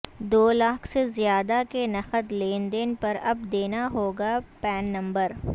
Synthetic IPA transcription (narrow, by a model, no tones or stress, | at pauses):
d̪oːlaːkʰsezjaːd̪akenɐxəd̪leːnd̪enpɐɾɐb̚d̪eːnaɦoːɡapɛːnːɐ̃mbəɾ